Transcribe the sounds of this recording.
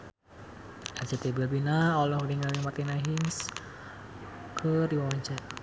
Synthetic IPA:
ɛt͡ʃat̪ebilbinaɔlɔhɾiŋaɾiŋmart̪inaɦins | kʰədiwawaɲt͡ʃa

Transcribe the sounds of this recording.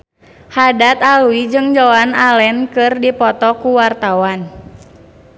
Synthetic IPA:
hadat̪aluid͡ʒɨŋd͡ʒɔanalɛnkɨrdipɔt̪ɔkuwart̪awan

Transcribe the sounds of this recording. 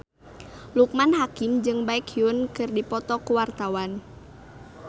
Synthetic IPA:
luk̚manɦakɪmd͡ʒɨŋbaɪkiʊnkɨrdipɔt̪ɔkuwart̪awan

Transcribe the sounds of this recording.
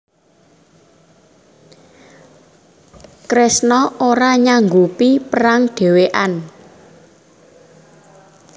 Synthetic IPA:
kɾesnɔoɾaɲaŋɡupipəɾaŋɖ̪̥e̤weʔan

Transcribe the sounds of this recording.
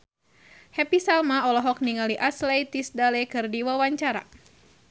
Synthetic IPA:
hɛpisalmaɔlɔɦɔk̚niŋaliʔaslejt̪isdalɛkɨrdiwawaɲt͡ʃaɾa̰

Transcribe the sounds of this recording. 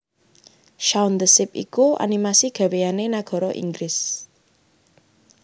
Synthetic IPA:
ʃand̪əsɪp̚ḭkua̰nimasiɡ̥a̤wejanenaɡ̥ɔ̤ɾɔʔḭŋɡɾɪs

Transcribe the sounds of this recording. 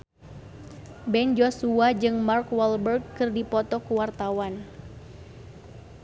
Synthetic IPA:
bɛnd͡ʒɔsuad͡ʒɨŋmarkwɔlbərɡkɨrdipɔt̪ɔkuwart̪awan

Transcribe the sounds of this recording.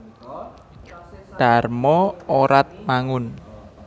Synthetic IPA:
ɖ̥a̤rmɔoɾat̪̚maŋʊn

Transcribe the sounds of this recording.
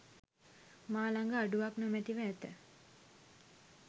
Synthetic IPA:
maːlaŋɡəaɖuʋaknomæt̪iʋəːt̪ə

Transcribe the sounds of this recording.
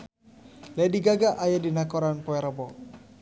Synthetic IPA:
lɛdiɡaɡaʔajadinakɔɾanpɔɛɾəbɔ

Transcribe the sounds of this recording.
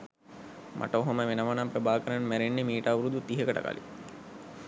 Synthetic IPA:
mʔa̰ʈəoɦoməʋenəʋanampɾəbaːkəɾanmæɾenːemiːʈaːʋuɾud̪ut̪iɦəkəʈə̰ka̰lḭ

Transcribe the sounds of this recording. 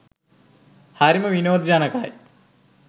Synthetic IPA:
haɾimɐʋinoːd̪d͡ʑaːnɐkaj

